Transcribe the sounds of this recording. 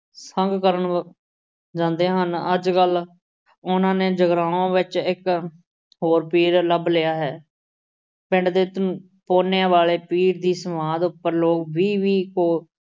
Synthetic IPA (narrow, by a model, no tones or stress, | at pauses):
səŋɡkəɾəɳ | d͡ʒãːnd̪eːɦənəd͡ʒkəl | ʊnãːneːd͡ʒəɡɾaːõːʋɪt͡ʃɪk | ɦoːɾpiːɾləblɪjaːɦɛː | pɪ̃ɳɖd̪eːt̪ | poːnejãːʋaːleːpiːɾd̪iːsəmãːd̪ʊpːəɾloːkbiːʋiːkoː